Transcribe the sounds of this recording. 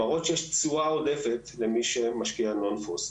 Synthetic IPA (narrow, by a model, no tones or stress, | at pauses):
aʁotʃejeʃt͡suaodefet̪lemiʃemaʃkiano̞nfos